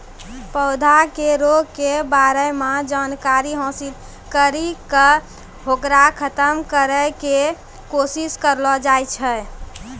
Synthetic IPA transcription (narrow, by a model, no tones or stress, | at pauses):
pəʊd̪ʱakeɾoɡkebaɾəjmad͡ʒankaɾiɦõsil | kəɾikə | ɦokɾakʰət̪əmkəɾəke | kosiskəɾlɔd͡ʒajt͡ʃʰɛ